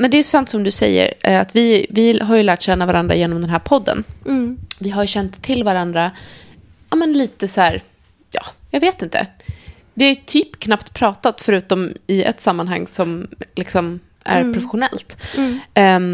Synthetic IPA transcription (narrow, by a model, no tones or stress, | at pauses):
mɛnd̪ɛːjɵsant̪sɔmd̪ɵsɛ̰jːə̰ɾat̪vɪvɪɦaɾjɵlæːʈɕɛnːavaɾand̪ɾa̰jeːnɔmd̪ɛnɦæːɾpʰɔd̪ːə̰n | vɪɦaɾjɕɛnt̪ʰːɪlːvaɾand̪ɾa | aːmənliːt̪əsæːɾ | jɑ̰ːjɑːɡveːt̪ɪnt̪ʰə̰ | vɪhajɵt̪ʰyːpkʰnapt̪pʰɾɑːt̪at̪fœɾʉ̟ːt̪ɔmɪɛ̰t̪samːanɦa̰ŋːsɔmlɪksɔm | æ̰ɾpʰɾʊfɛɧʊnɛ̰lt̪